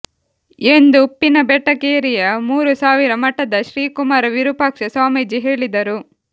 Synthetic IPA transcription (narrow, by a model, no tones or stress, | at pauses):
end̪uːpːinɐbɛʈːɐkeːɾijɐmuːɾusaːʋiɾɐmɐʈːɐd̪ɐʃɾiːkumaːɾɐʋiɾupaːkʂɐsaːmed͡ʒiɦeːɭid̪ɐɾu